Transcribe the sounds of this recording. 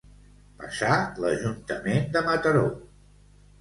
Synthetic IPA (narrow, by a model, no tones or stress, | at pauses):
pəsaləʒunt̪əmend̪əmət̪əɾo